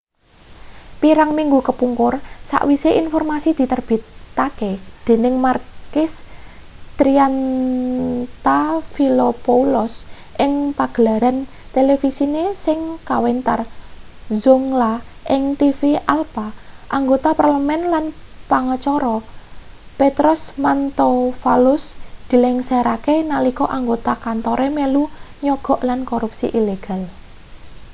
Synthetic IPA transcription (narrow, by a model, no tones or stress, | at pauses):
piɾaŋmiŋɡukəpuŋkʊrsa̰ʔwiseʔinfɔrmasid̪̥i̤t̪ərb̥i̤t̪ːaked̪̥e̤nɪŋmarkɪs | t̪ɾian | t̪afilopoulɔs | ʔɪŋpaɡ̥əlaɾan | t̪elefisinesɪŋkawent̪ar | zʊŋlaʔɪŋt̪ifialpaʔaŋɡot̪aparləmɛnlanpaŋət͡ʃɔɾɔ | pet̪ɾʊsmant̪ofalʊsd̪̥i̤lɛŋseɾakenalikɔʔaŋɡot̪akant̪ɔɾʔemeluɲɔɡ̥ɔ̤ʔlankoɾupsḭʔileɡ̥al